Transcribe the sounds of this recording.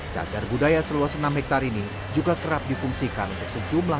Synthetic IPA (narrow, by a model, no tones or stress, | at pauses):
t͡ʃa̰darbudajasəluɔsənamhɛk̚t̪aɾini | d͡ʒuɡakəɾap̚difuŋsikanunt̪ʊk̚səd͡ʒumla